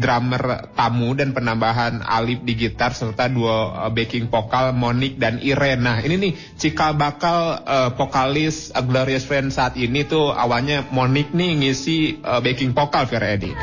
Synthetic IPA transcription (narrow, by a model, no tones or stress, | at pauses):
dɾamərt̪amudanpənambaɦana̰lɪp̚diɡit̪arsərt̪aduabekɪŋpokalmonɪk̚daniɾɛnaininɪh | t͡ʃikalbakaləpokalɪsəɡloɾiasfɾɛnsaːt̪init̪ua̰walɲamonɪk̚niːŋisiəbekɪŋpokalfiɛɾɛdḭ